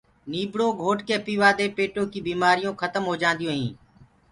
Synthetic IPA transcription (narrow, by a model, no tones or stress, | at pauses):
niːbɽoːɡʱoːʈkeːpiːʋaːd̪eːpeːʈoːkiːbiːmaːɾɪjõːkʰət̪əmɦoːd͡ʒãːnd̪ijõːɦĩː